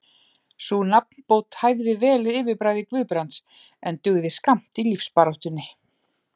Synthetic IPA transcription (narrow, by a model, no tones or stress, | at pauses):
sunap̚n̥poːwt̪hajvðɪvɛːlɪːvɪpɾaːjðɪkvʏːpɾant̪s | ɛnt̪ʏɣðɪskam̥t̪ilifspaɾawht̪ʏnːɪ